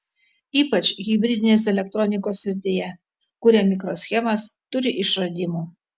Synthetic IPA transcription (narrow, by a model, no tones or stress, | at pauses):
iːpɐt͡ʃʲɣʲɪbʲɾʲɪd̪ʲɪnʲeːsɛlʲɛk̚t̪ɾɔnʲɪkoːsʲɪɾʲt̪ʲejɛ | kʊɾʲɛmʲɪkɾoːsʲxʲɛmɐst̪ʊɾʲɪʔɪʃɾɐd̪ʲɪmuː